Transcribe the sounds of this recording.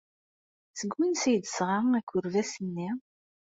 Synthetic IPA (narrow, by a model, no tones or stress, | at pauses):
θəɡwinsjd̪əsʁaækʷːʊɾvæsənːi